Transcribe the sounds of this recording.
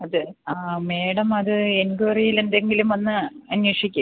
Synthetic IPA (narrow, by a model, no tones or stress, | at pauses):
ɐðɨaːme̞ːɽɐmɐðɨenɡurijile̞nd̪e̞ŋɡilumɐnːɨɐnwɐʂikʲːu